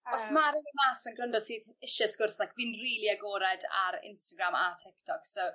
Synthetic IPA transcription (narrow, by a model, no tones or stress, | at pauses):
ɔsmaɾɪvənlaːsənɡrəndɔ̥siːðɪʃɪsɡ̥ʊrθakviːnriːlˠiaɡɔːɾɛda̰ɾɪ̰nstaɡrama̰tʰɪk̚tʰɔkso